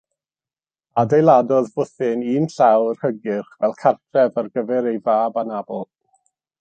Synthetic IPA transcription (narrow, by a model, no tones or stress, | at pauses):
adejlˠadɔðvʊθɪniːnɬawrhəɡɪχvɛlˠkʰartʰrɛvarɡəvɛɾejvaːbanabɔlˠ